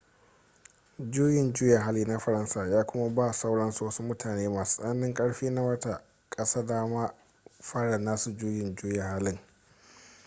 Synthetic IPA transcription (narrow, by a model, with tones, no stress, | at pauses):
d͡ʒuː˦jɪ˨nd͡ʒuː˦ja˨ɦa˦liː˦na˦ɸɐ˨ɾɐ˦nsaː˨jaː˦kʷʊ˦ma˦baː˦˨sa˦wɽɐ˦nsu˨wɐ˦su˦mʊ˦tʰaː˨neː˦maː˨su̥˦sʼɐ˦nɐ˦nːɪ˦ŋkʼɐ˦ɽɸiː˦na˦wɐ˦ta˨ | kʼɐ˦saː˦daː˦maː˦ | ɸaː˦ɽɐ˨naː˦su˨d͡ʒuː˦jɪ˨nd͡ʒuː˦ja˨haː˦lɪ˦ŋ